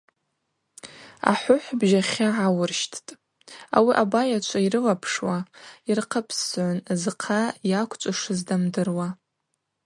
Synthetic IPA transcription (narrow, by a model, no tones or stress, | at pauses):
a̰ħʷʊħʷbʒaχʲaʕawʊrʃtʰtʼ | a̰wiʔabajat͡ʃʷʰairɨlapʰʂwairqʰəpʰsʕʷʊnzɨqʰajakʷʰʼt͡ʃʷʼaʂɨzdamdɨrwa